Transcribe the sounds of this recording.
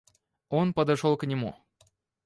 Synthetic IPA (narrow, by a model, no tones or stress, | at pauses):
onpəd̪ɐʂolˠknʲɪmṵ